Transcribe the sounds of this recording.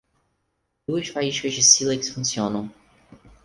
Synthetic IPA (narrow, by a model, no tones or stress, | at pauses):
d̪uɐʃfaiʃkɐzd͡ʒɪsileksfũsiõnɐ̃w̃